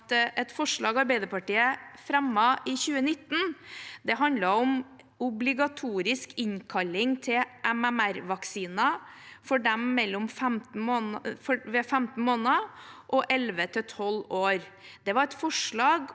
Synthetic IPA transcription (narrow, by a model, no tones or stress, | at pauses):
t̪ʔɛt̪fɔʂɭɑːɡɑɾbæɪd̪əɾpɑʈiːəfɾɛmːɑʔɪçʉːənɪt̪ːn̩d̪ɛɦɑnd̪lɑɔm | ʊblɪɡɑt̪ʰuːɾɪskɪɲkʰɑlːɪŋt̪ʰɪʔɛmæmæɾʋɑksiːnɑfɔɖɛmːɛlːʊmfɛmt̪n̩moːnfɔʋɛfæmt̪n̩moːnɑʔɔʔɛlʋət̪ʰɪt̪ʰɔloːɾ | d̪ɛʋɑɾɛt̪fɔʂɭɑːɡ